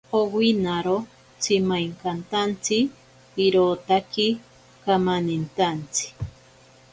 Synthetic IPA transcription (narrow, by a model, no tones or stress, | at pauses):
owinaɾo | t͡simajŋkant̪ant͡si | iɾoːt̪aki | kamanint̪ant͡si̥